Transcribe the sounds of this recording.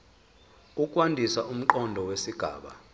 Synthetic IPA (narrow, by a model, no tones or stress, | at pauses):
ukʼwandʱisaʔum̩ǃɔndʱɔwesiɡ̥ʱa̰ːɓa̰